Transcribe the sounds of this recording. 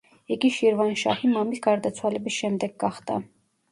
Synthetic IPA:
ɛkiʃjɛɾvɑnʃɑ̰himɑmilkɑɾd̪ɛt͡sʰwɑlɛbisʃɛmd̪ɛk̚ɡɑχt̪ɑ̰

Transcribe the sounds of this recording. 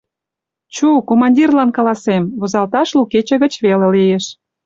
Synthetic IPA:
t͡ɕukomɑnʲdʲirlɑnkɑlɑsemβozɑlt̪ɑʃluket͡ɕĕɣə̆t͡ɕβelelijeʃ

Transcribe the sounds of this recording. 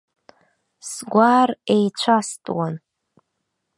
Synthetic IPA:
sɡʷaːrejt͡ɕʷʰastʼwan

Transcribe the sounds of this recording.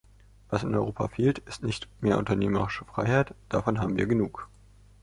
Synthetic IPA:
v̥asɪnɔʏʁoːpʰa̰feːltɪstnɪçtmeːɐʔʊ̰ntɐneːməʁɪʃəfʁ̥aɪhaɪtd̥afɔnɦaːbm̩viːɐɡənuːk

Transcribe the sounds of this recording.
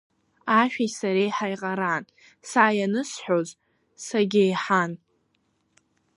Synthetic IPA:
aʃᶣisaɾejħajqʼaɾan | saːjanɨsħʷᶣoz | saɡʲejħan

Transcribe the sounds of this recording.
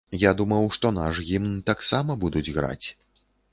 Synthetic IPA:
jad̪umɐwʂt̪ɔnaʂɣʲimnɨt̪aksamɐbud̪ud͡zʲɣɾa̰t͡sʲ

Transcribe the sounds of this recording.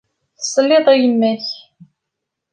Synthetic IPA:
θə̥sˤːlːɪðˤijəmːæç

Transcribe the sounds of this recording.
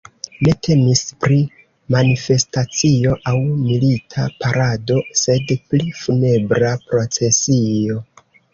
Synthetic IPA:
ne̞tʰe̞mispɾi | manife̞stat͡sio̞ʔawmilitʰapaɾado̞se̞dplifune̞bɾapɾo̞t͡se̞sio̞

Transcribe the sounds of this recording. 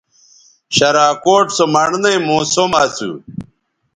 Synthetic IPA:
ɕɐɾaːkoːʈsomɐɳnɐimõːsomaːt͡sṵ

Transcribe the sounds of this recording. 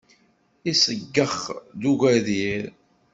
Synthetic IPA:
isəɡːəχd̪uɣæðiɾ

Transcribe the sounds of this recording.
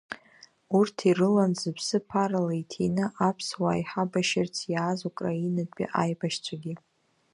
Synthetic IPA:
urtʰirɨlanzɨpʰsɨpʰaɾalaitʰejnɨʔapʰswa̰jħabaʃɪrt͡sʰjaːzukʼrainadpʼḭʔajbaʃt͡sʷʰaɡʲi

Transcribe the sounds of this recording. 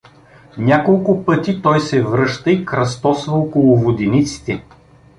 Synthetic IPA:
nʲakolˠkʊpɤt̪it̪ɔjsɛvɾɤʃt̪əikɾɐst̪ɔsvɐokolˠʊvod̪init̪si̥t̪ɛ

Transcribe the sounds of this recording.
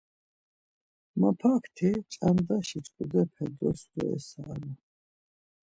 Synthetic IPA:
mapʰakʰt̪ʰit͡ʃʼamd̪aʃit͡ʃʼkʼud̪ɛpʰɛd̪ɔsɾɔ̰ɛ̰saːɾa

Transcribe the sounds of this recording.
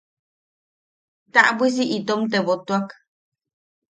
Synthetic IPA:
t̪aʔbwis̬iʔit̪omt̪eβot̪uak

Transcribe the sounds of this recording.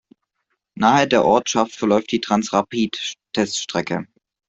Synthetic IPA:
naːχədeːɐʔɔɐtʃaftfɛɐlɔʏftd̥iːtʁ̥ansʁapiːttʰɛstʃtʁ̥ɛkə̰

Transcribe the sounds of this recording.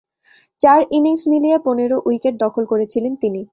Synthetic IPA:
t͡ɕaɾiniŋsmilieponeɾoʔujkeʈ̚d̪ɔkʰolkoɾet͡ɕʰilent̪ini

